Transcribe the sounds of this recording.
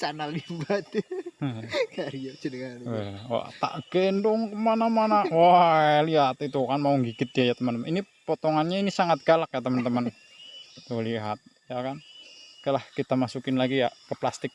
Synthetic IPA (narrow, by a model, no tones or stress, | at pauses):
t͡ʃanalibat̪ | kaɾijat͡ʃənəŋaɾiɛwa̰t̪a̰ʔɡ̥ɛndɔŋkəmanamanawaliɦat̪it̪ukanmauŋɡiɡɪt̪̚d͡ʒajat̪əmənt̪əmninipot̪oŋanɲainisaŋat̪̚ɡ̥alak̚jat̪əmənt̪əmən | t̪uliɦat̪̚ | jakankəlahkit̪amasukɪnlaɡijakəplast̪ɪk̚